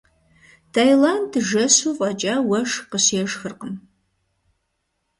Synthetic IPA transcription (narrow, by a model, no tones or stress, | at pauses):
tʰaːjlandɨʒɐsuvʼad͡ʒʼaːwɐʂqəɕjɛʒxɨrqəm